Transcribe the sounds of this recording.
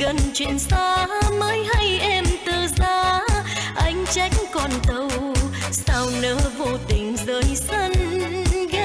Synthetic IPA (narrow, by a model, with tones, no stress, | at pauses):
ɣə˧˨nt͡ɕwe˧˨nsaː˧məː˨˦jɦa˧jʔɛ˧mt̪ɨː˨˩zaː˧ | ʔa˨˧˦jŋ̟t͡ɕa˧˦jk̟kɔ˨˩nt̪ə˧wsaː˧wnɨ˧˦vo˧t̪ï˨˩ŋ̟zəː˨˩jsə˧n | ɣə˧˦